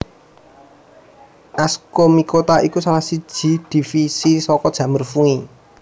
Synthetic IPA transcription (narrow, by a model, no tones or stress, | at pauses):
ʔaskomikot̪aʔikusalahsid̥ʒ̥i̤d̪̥i̤fisisɔkɔd̥ʒ̥ä̤mərfuŋi